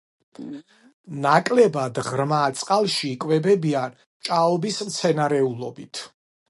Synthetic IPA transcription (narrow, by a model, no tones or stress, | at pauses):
nakʼlɛbad̪ʁɾmat̪sʼqʼalˠʃiːkʼwɛbɛbian | t͡ʃʼaɔbismt̪sʰɛnaɾɛulˠɔbit̪ʰ